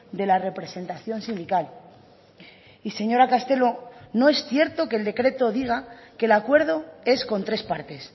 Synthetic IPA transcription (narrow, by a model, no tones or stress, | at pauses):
d̪e̞lare̞pɾe̞se̞nt̪aθjo̞nsind̪ikal | ise̞ɲo̞ɾakast̪e̞lo̞no̞e̞sθje̞ɾt̪o̞keld̪e̞kɾe̞t̪o̞ðiɣ̞ake̞lakwe̞ɾð̞o̞e̞sko̞nt̪ɾe̞spaɾt̪e̞s